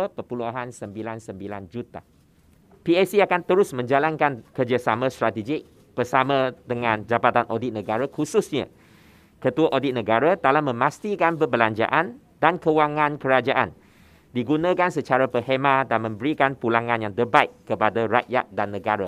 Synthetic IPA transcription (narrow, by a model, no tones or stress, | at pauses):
əpəpulaɦansəmbilansəmbiland͡ʒut̪a | piɛsiakant̪əɾʊsmə̃ɲd͡ʒalankankərd͡ʒasamãst̪ɾat̪ed͡ʒɪk̚ | b̥ərsamãdəŋãnd͡ʒabat̪anʔodɪt̪̚nə̃ɡaɾakusʊsɲa̰ | kət̪uaʔodɪt̪̚nə̃ɡaɾat̪alamə̃mast̪ikanbəbəlaɲd͡ʒa̰ʔan | dankəwaŋãnkəɾad͡ʒaʔan | diɡunãkansət͡ʃaɾapəhɦemãdanmə̃mbəɾikanpulaŋãnjaŋd̪əbait̪kəpadaraʔja̰t̪̚danːə̃ɡaɾa